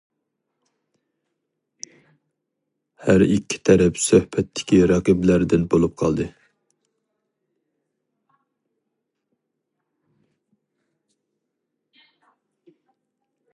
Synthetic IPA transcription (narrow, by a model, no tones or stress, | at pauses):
hæɾikʲʰːi̥t̪ʰɛɾɛpsøhbɛt̪ʰːɪ̥kʲiɾɑqəblæɾd̪ɪnbolˠup̚qʰɑlˠd̪ɨ